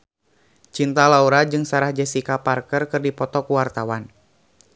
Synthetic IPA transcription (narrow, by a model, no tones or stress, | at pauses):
t͡ʃint̪alauɾad͡ʒɨŋsaɾahd͡ʒɛsikaparkərkɨrdipɔt̪ɔkuwart̪awan